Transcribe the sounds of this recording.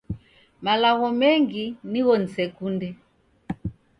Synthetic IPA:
malaɣɔmɛŋɡiniɣɔn̩sɛkundɛ

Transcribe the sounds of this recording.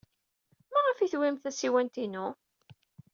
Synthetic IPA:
mæʁəfiθwimθæsiwænt̪inʊ

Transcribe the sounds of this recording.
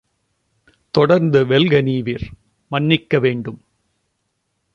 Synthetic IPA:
t̪ɔɽɐɾnd̪ɯʋɛlɣɐniːʋɪɾ | mɐnːɪkːɐʋeːɳɖɯm

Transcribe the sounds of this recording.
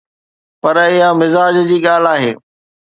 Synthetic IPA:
pɐɾɪɦamɪzaːd͡ʑd͡ʑiːɠaːl̤aːɦḛː

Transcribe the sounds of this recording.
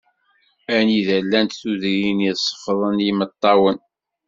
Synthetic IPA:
æniðælːænt̪θuðɾinisˤːə̥fðˤənjimət̪ˤːɑwən

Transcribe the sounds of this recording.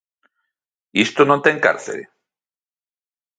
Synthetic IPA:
ist̪onont̪eŋka̰ɾθḛl

